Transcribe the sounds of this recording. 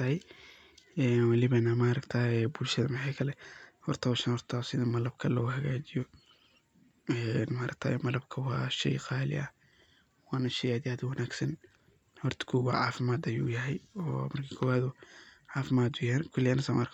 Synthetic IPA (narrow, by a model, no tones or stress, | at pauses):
ɐɛj | ɛːnwɑlɪβɐnamaːɾɐkt̪ʰaːɛbʊlʃɐðɐmɪʕɑːkʰɐlɛhɔrt̪ʰɐwʃɐnhɔrt̪ʰasɪðɐmɐlɐbkʰɐɔuhɐɣaːt͡ʃɪjɔ | ɛnmaːɾʔɐ̰k̚t̪ʰa̰ːjɛmɐlɐbkʰɐwɑːʃɛ̰jqɑːlɪ̰ʔɐ | wɑːnɐʃɐjaːd̪ɪjaːd̪wɐnaːɡsɐn | hɔrt̪ʰɐ̥kʰuːɣa̰ːʕɑ̰ːfɪmaːd̪ɐjṵːjɐɦɛjɔ̰ːmɐrkʰiːkʰɔːwaːd̪ʊʕɑːfɪmaːd̪ʊjankʰʊlːɪjaːnɐsɐmʔa̰ːɾk